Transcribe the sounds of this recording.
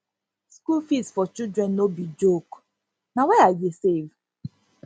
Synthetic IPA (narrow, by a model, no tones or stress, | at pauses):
skulfisfɔt͡ʃidɹɛ̃nːobid͡ʒok | nawɛajesev